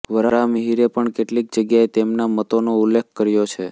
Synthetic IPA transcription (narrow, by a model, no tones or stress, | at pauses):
ʋəɾəɾaməɦiɾepəɳkeʈlik̚d͡ʒəɡjaet̪emnamət̪onoulːekʰkəɾjot͡ʃʰe